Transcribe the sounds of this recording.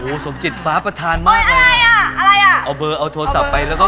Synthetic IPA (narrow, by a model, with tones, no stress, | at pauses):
ʔoː˩so˨˩˦mt͡ɕi˨˩t̪̚faː˦˥pɾa˧t̪ʰaː˧nma˧˥˩ʔa˧ɾa˧jʔa˨˩ʔa˧ɾa˧jʔa˨˩ʔa˧wbɤː˧ʔa˧wt̪ʰoː˧sa˨˩pːa˧jlɛː˦˥wkɔ˥˩